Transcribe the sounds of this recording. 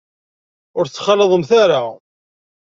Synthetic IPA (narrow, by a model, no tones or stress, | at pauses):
ʊɾt͡sːχɑləðˤəmθaɾa